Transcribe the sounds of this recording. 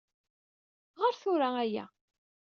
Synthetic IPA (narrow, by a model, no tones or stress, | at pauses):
ʁəɾθʊɾaæjæ̰